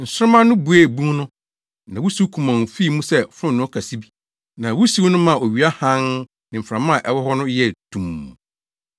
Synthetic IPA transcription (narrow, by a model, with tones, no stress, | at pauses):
n̩˨sʊ˦ɾʊ˦mã˦nʊ̃˦bu˨˦e˦˨bũ˦nʊ̃˦ | nã˨wu˦si˦kʰũ˨mã˨n˨fi˦˨mũ˦sɛ˦fɾʊ̃˦˨nʊ̃˦kʰa˨si˦bi˦ | nã˨wu˦si˦wnʊ̃˦mã˦˨o˨ɥi˨a˦hã˦n | nɪ̃˨m̩˨fɾã˨mã˦˨ʔɛ˨wɔ˦hɔ˦nʊ̃˦jɛ˦tʰũ˨m̃ː˨